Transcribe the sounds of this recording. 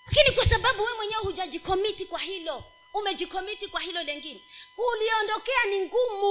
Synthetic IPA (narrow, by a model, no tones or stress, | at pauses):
akinikwasaɓaɓuwɛmwɛɲɛwɛhud͡ʒad͡ʒikɔmitikwahilɔ | umɛd͡ʒikɔmitikwahilɔlɛŋɡinɛuliɔndɔkɛaniŋɡumu